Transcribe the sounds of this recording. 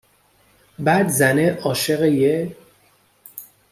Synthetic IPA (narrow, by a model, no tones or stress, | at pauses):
bæd̪zæneʔɒːʃeɣeje